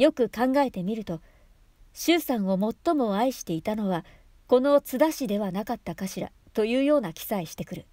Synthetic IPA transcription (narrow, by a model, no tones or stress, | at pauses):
jo̞kɯ̟kãŋɡae̞t̪e̞mʲiɾɯ̟t̪o̞ | ɕɨːsãɰ̃o̞mo̞t̪ːo̞mo̞aiɕi̥t̪e̞it̪ano̞βa | ko̞no̞t͡sɨd̪aɕid̪e̞βanakat̪ːakaɕiɾa̰ | t̪o̞jɯ̟ːjo̞ːnakʲi̥saiɕi̥t̪e̞kɯ̟ɾɯ̟